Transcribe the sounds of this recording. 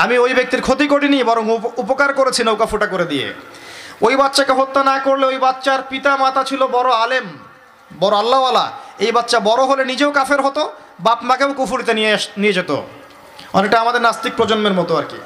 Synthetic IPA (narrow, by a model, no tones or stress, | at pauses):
amiojbek̚t̪iɾkʰot̪ikoʈinibɔɾoŋupokaɾkoɾet͡ɕʰinowkafuʈakoɾed̪iḛ | ojbatːʃakeɦot̪ːanakoɾleojbatːɕaɾpit̪amat̪at͡ɕʰilobɔɾoalem | bɔɾoalːaala̰ejbatːʃabɔɾoɦolenid͡ʑeokafʰeɾɦot̪o | bapmakeokufuɾit̪einied͡ʑet̪o̰ | ɔ̰nek̚ʈaamad̪eɾnast̪ik̚pɾod͡ʑonmeɾmɔt̪oaɾkḭ